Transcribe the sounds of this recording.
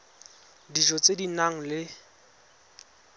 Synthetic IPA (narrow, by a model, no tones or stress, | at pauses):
diʒɔt͡sʼedinaŋ̩lɪ